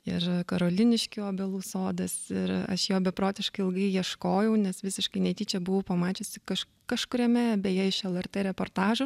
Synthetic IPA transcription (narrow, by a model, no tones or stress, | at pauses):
ɪrkɐɾoːlʲɪnʲɪʃʲkʲɪoːbʲɛlˠuːsoːd̪ɐsɪɾɐ̰ʃjoːbʲɛpɾoːt̪ʲɪʃkɐɪɪlˠɡɐɪjiɛʃkoːjɛʊnʲɛsʋʲɪsʲɪʃkɐɪnʲɛɪt̪ʲiːt͡ʃʲɛbʊʋʊːpɐmɑːt͡ʃʲʊsʲɪkɐʃ | kɐʃkʊɾʲɛmʲɛbʲeːjɛːɪʃɛlˠɛrt̪eːɾʲɛpoːrt̪ɑːʒʊ